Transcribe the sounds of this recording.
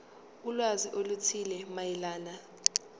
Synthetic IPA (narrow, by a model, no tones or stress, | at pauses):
ulwaziʔolutʰilɛmajilaːna